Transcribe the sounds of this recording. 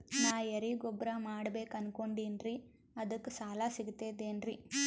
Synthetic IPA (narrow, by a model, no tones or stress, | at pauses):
naːjɐɾiɡɔbɾamaːɽɐbeːkɐnkoɳɖiːnɾi | ɐd̪ɐkːusaːlaːsiɡt̪ːeːd̪eːnɾi